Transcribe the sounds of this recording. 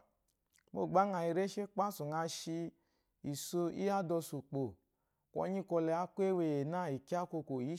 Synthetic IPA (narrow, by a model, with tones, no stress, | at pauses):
mo˦˨ɡ͡ba˦ŋa˨i˨˧ɾe˦ʃe˦k͡pa˦su˨ŋa˧ʃi˧ | i˨so˧ḭ˦a˦dɔ˧su˨k͡po˨ | kɔ̰˧˦ɲi˦kɔ˧lɛ˧a˦kʷe˦we˧˨je˨na˦˨i˨ki˦a˦ko˧ko˨ji˨˦